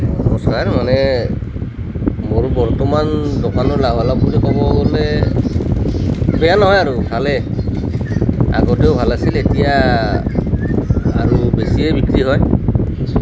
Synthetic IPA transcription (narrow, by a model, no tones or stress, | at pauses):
nɔɔskaɾmane | moɾbɔɾt̪ɔmand̪ɔkʰanɔɹlaɦalapuɾikɔbɔɡɔle | bɛjanɔɦɔjaɾukʰale | a̰ɡɔtewbʱalasiletija | ɾubesiebikɾiɦɔj